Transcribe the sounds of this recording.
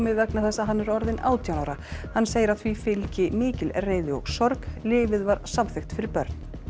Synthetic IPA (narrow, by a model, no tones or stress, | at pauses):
mɪðvɛknaθɛsːaɦanːɛɾɔɾðɪna̰ːwt̪ʰjawnawɾahanːsejɪɾḁθvifɪlcɪmɪːcɪlreːjðɪɔ̰ɣsɔɾklɪːvɪðvaɾsamθɪxt̪fɪɾɪɾpœɾt̪nn̥